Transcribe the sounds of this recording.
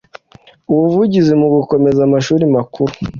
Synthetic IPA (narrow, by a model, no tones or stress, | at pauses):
uwuvuɟizimuɡuko̞me̞zamaʃuːɾimakʰuɾu